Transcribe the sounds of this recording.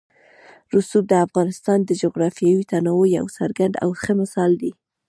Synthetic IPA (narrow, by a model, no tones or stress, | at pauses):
ɾusub̚d̪əafɣɑnɪst̪ɑnd̪əd͡ʒoɣɾɑfjɑwit̪anawoja̰wsa̰ɾɡaɳd̪a̰wxəmɪsɑld̪i